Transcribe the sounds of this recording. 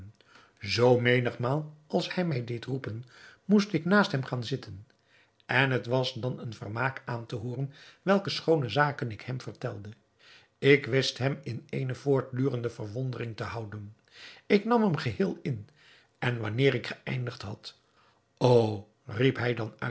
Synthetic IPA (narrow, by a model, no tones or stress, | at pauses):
zowmejnəχmaːlˠɑlˠshɛjmɛjdejtrupənmustɪknaːstɦɛmχaːnzɪtʰən | ʔɛnɦətʋɑsdɑnənvə̰rmaːkaːntəɦoːrənʋɛlˠkəsχownəzaːkənɪkhɛmv̥ərtɛ̰lˠdə | ɪkʋɪstɦɛmɪnejnəvʊːɹt̚dyːrəndəvərʋɔndərɪŋtəɦɑwdən | ɪknɑmɦɛmχəɦɪːlˠɪn | ʔɛnʋɑ̰nɪːɹɪkχəɛ̰jndəχtɦɑt | ow | ripɦɛjdɑnœ̰